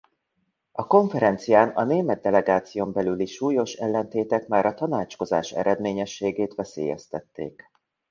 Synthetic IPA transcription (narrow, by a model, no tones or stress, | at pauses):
ɒko̞ɱfɛɾɛnt̪sijaːnɒneːmɛd̪ːɛlɛɡaːt̪sijoːmbɛlyliʃuːjo̞ʃɛlːɛnt̪eːt̪ɛkmaːɾɒt̪ɒnaːt͡ʃko̞zaːʃɛ̰ɾɛd̪meːɲɛʃːeːɡeːt̪ʋɛsḛːjɛ̰st̪ɛt̪ːḛːk